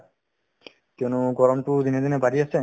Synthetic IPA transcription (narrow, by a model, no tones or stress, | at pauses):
t̪ewnuɡɔɾɔmʈud̪ined̪ʱinebaɾijet͡ɕʰe